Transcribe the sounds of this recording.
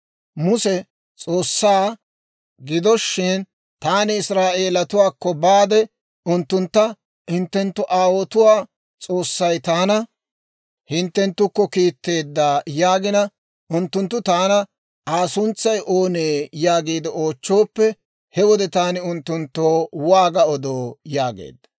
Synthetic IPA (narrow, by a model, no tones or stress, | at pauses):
mʊsɛ | t͡sʼo̞ːsːaː | ɡɪd̪ɔʃːɪn | t̪aːnɪɪsɾaːʔe̞ːlɐt̪ʊwaːkːɔbaːd̪ɛ | ʊnt̪ːʊnt̪ːɐ | hɪnt̪ːɛnt̪ːʊʔaːwot̪ʊwaː | t͡sʼo̞ːsːɐjt̪aːnɐ | hɪnt̪ːɛnt̪ːʊkːɔkiːt̪ːe̞ːd̪ːaːjaːɡɪnɐ | ʊnt̪ːʊnt̪ːʊt̪aːnɐ | aːsʊnt͡sːɐjʔo̞ːneːjaːɡiːd̪ɪo̞ːt͡ʃːoːpːɛ | hɛwɔd̪ɛt̪aːnɪʊnt̪ːʊnt̪ːoːwaːɡɐɔd̪oːjaːɡḛːd̪ːɐ̥